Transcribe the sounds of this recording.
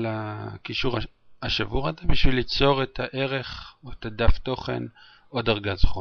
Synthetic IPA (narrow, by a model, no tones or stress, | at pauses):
lakiʃuʁ | aʃavuʁazebiʃvilːit͡so̞ʁetʰaʔe̞ʁe̞χoetadafto̞χe̞̰n | o̞daʁɡazχo